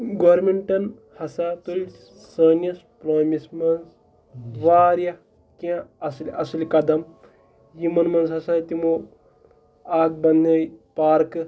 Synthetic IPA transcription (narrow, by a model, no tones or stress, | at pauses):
ɡoːɾmiɳʈɐn | hɐsat̪uɾi | sɐːnjɐspɾoːmismɐnz | ʋaːɾja | kãɐsliʔɐslikɐd̪ɐm | jimɐnmɐnzɦɐsat̪imo | aːk̚bɐnɐjpaːɾkɨ